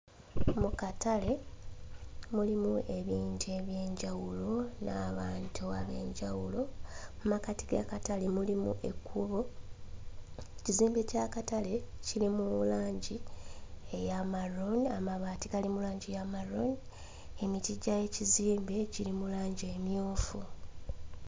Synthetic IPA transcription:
mukatale̞ | mulimuʔe̞βiːntue̞βje̞ːɲɟawulo̞naːβaːntʰuaβe̞ːɲɟawulo̞mumakati̥ɡa̰katale̞mulimṵʔe̞̰kʰːuβo̞ | eciziːmbe̞cakatale̞cilimulaːɲɟi | ejamaɾonamaβaːtiɡalimulaːɲɟijamaɾo̰n | e̞mitiɟaje̞ciziːmbe̞cilimulaːɲɟie̞mjoːfu

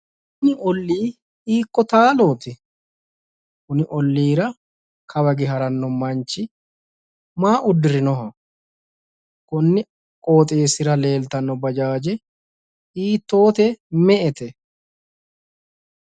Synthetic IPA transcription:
kʊnɪɔlːiː | iːkːɔt̪aːlo̞ːt̪ɪ | kʊnɪʔɔlːiːɾɐ | kʰɐbɐɡɛɦɐɾɐnːɔmɐnt͡ʃːɪ | maːʔʊd̪ːɪɾɪnɔɦɐ | kʊnːɪ | kʼoːt̪ʼe̞ːsɪɾɐle̞ːlt̪ɐnːɔbɐd͡ʒaːd͡ʒɛ | iːt̪ːo̞ːt̪ɛmɛʔɛt̪ɛ

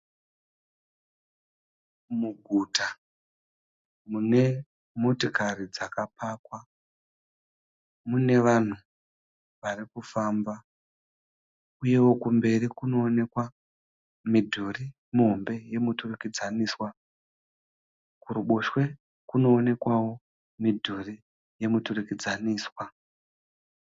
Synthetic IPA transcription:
muɡʱuta | mune̞ | motokarid͡zakapakwa | mune̞ʋan̤u | ʋarikufamba | uje̞wo̞kumbe̞rikuno̞ːne̞kwa | midʱuri | muɦombe̞je̞muturukid͡zaniːswa | kuɾuɓoʃwe̞ | kuno̞ːne̞kwawo̞ | midʱuri | je̞muturikid͡zaniːswa

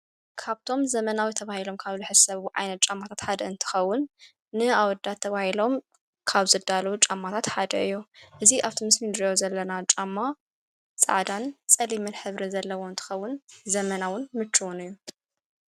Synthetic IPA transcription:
kʰaβt̪ʰo̞mzɐmɐnawit̪ʰɐβahilo̞mkʰaβzɨħɨzsɐβuʔa̰jnɐt̪̚t͡ʃʼamːat̪ʰat̪ħad̪ɐɨnt̪ʰɨ̥xɐwːʊnː | ɨawɔd̪at̪ʰːɐβahilo̞m | kʰaβzɨd̪alɐwut͡ʃʼamːat̪ʰat̪ħad̪ɐ̰ʔɨjːuʔɨziʔaβt̪ʰimɨsmind̪ɾijozɐlːɐnat͡ʃʼamːa | t͡sʼa̰ʕd̪ant͡sʼɐlimɨnħɨβɾizɐlːɐwo̞ɨnt̪ʰɨ̥xɐwːʊnzɐmɐnawʊnmɨt͡ʃːuwunɨjːu

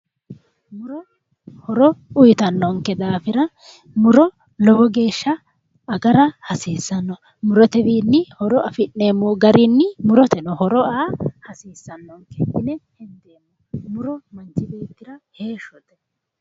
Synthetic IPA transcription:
mʊɾɔ | hɔɾɔʊjɪt̪ɐnːɔŋkːɛd̪aːfɪɾɐ | mʊɾɔ | lɔbɔɡe̞ːʃːɐ | ɐɡɐɾɐhɐsiːsːɐnːɔ | mʊɾɔt̪ɛd̪iːnːɪhɔɾɔɐfɪnːe̞ːmːɔːɡɐɾinːɪmʊɾɔt̪ɛnɔhɔɾɔaːhɐsiːsːɐnːɔŋkɛɪnɛhɛnd̪eːmːɔmʊɾɔmɐnt͡ʃːɪbe̞ːt̪ːɪɾɐhe̞ːʃːɔd̪ɛ

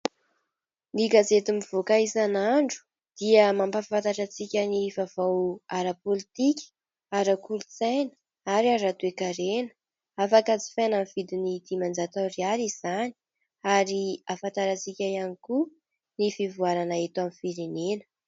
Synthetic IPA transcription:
niɡazet̪imiv̥okaizanaɳɖ͡ʐu̥ | d̪̥iəmambaffant̪aʈ͡ʂat͡sikʲənivav̥awaɾapolit̪ikʲə̥ | aɾakulut͡sajnə̥ | aɾiaɾat̪uekaɾenə̥ | afakat͡si̥fanamv̥id̪inid̪̥imand͡zat̪awrializ̥ani̥ | aɾiafant̪aɾat͡sikʲajaniku | nifivuaɾanaet̪amifiɾenenə̥

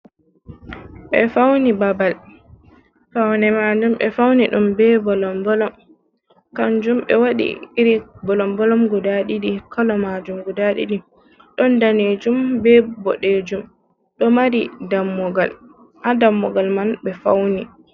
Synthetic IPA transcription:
ɓɛ̰fawnibabal | fawnɛmad͡ʒumɓɛfawniɗumbɛbɔlɔmbɔlɔm | kand͡ʒumɓɛ̰waɗḭiɾibɔlɔmbɔlɔmɡɔdaɗiɗikalɔmad͡ʒumɡɔdaɗḭɗi | ɗɔndaned͡ʒumbɛbɔ̰ɗed͡ʒum | ɗɔmaɾidamːɔɡal | hadamːɔɡalmanɓɛfa̰wni

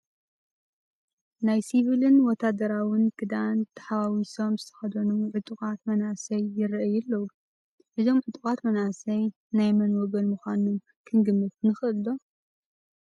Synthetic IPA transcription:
najsiβɨlɨnwɔt̪ʰːad̪ɐɾawɨnkʰɨd̪ant̪ʰḁħawawiso̞mzɨt̪ʰɐ̥xɐd̪ɐnuʕɨt̪ʼukʼat̪mɐnasɐjːɪɾʔɐjɛlːɐwu | ʔɨzo̞mʕɨt̪ʼukʼat̪mɐnasɐj | najmɐnwɔɡɐlmuxʷanom | kʰɨŋɡɨmːɨt̪kɨnɨxɨɨlːo

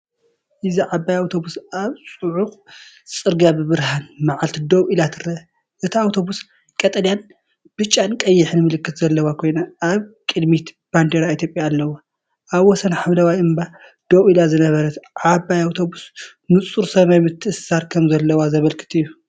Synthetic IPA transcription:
ʔɨziʕabːajawt̪ʰo̞busʔaβsʼuʕuxʼ | t͡sʼɨɾɡabɨβɨɾhanmaʕalt̪ʰid̪oβʔilat̪ʰɨɾɐ | ʔɨt̪ʰiawt̪ʰo̞bus | kʼɐt̪ʼɐljan | b̥ɨt͡ʃʼːankʼɐjːɪħɨnmɨlɨkːɨt̪z̥ɐlːɐwakʰo̞jnaʔaβkʼɨd̪mit̪ | b̥and̪eɾait̪ʰjopʼjaːlːɐwa | ʔaβwɔsɐnħaβlawajɨmba | d̪̥oβʔilazɨnɐβɐɾɐt̪ʕabajawt̪ʰo̞bus | nɨt͡sʼuɾsɐmajmɨt̪ʰːɨʔɨsaɾkʰɐmzɐlːɐwazɐβɐlkʰɨ̥t̪ʰɨjːu

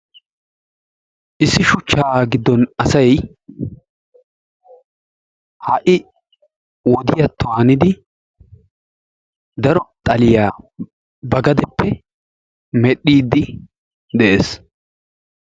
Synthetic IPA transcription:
ʔɪsːɪʃʊt͡ʃːaːɡɪd̪ːɔnɐsɐj | hɐʔɪ | wɔd̪ɪjɐt̪ːʊaːnɪd̪ɪ | d̪ɐɾɔt̪ʼɐlɪjaː | bɐɡɐd̪ɛpːɛ | mɛɗːiːd̪ːɪ | d̪ɛʔeːs

